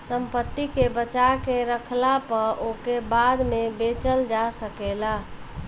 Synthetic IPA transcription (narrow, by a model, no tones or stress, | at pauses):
səmpət̪ːikebət͡ʃakeɾəkʰlapəɾʔokebad̪mebet͡ʃəld͡ʒasəkela